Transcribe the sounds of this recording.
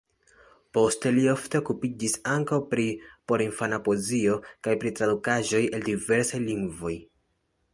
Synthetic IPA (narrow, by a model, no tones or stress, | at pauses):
po̞ste̞lio̞fte̞o̞kupid͡ʒisaŋkawpɾipo̞ɾinfanapo̞zio̞kajpɾitɾadukaʒo̞jeldive̞ɾsajliŋɡvo̞j